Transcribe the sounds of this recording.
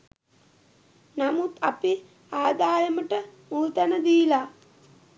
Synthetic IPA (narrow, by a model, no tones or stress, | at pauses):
namut̪api | aːd̪aːjəməʈəmuːt̪anəd̪ila